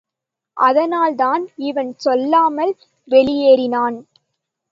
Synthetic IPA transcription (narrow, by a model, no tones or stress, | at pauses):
ʔɐðɐnaːlðaːnɪʋɐnsɔlːaːmɐl | ʋɛɭɪjeːɾɪnaːn